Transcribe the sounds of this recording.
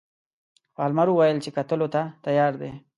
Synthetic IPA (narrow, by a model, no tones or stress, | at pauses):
faːlmaɾuwajəlt͡ʃekat̪əlot̪at̪ajɑːɾd̪e